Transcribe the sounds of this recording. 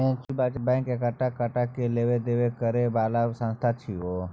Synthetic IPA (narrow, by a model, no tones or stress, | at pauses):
õklbad͡ʒbɛ̃ŋkekəʈakəʈakeleʋed̪eːʋekəɾebaːlasə̃nst̪ʰat͡ʃʰio